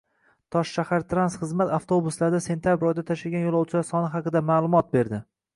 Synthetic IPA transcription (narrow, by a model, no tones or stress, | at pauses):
t̪ʰɒʃʃahaɾt̪ʰɾansχɨzmat̪aft̪ʰobʊslaɾd̪ase̞nt̪ʰʲjabɾɒjd̪at̪ʰaʃaɡʲanjolˠɒwt͡ʃʰɪlaɾsɒnɪɦɑqɨd̪amaːlˠʊmɒt̪̚be̞ɾd̪ɪ